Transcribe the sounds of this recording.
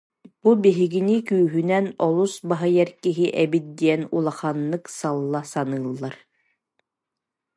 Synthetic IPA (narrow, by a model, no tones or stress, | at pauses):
b̥ubiɦiɡinikyːɦynɛnɔlˠusbaɦɯjɛɾkiɦiʔɛbit̪̚d̪iɛnulˠaχanːɯksalˠːasanɯːlˠːaɾ